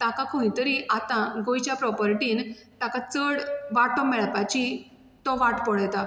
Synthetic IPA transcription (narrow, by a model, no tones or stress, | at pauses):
t̪ãkãkʰõj̃t̪əɾiʔat̪ãɡojt͡ɕjapɾɔpəɾʈiːnt̪akãt͡səɽʋaʈʰɔmɛɭpat͡ɕi | t̪ɔʋaʈpɔɭajt̪a